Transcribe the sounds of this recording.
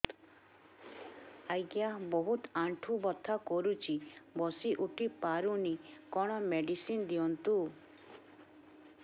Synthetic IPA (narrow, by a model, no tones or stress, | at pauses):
ajɡjabɔɦut̪aɳʈʰubɔt̪ʰːakɔɾut͡ʃʰibɔsiʔuʈʰipaɾunikɔɽ̃ɔmeɖisind̪iɔnt̪u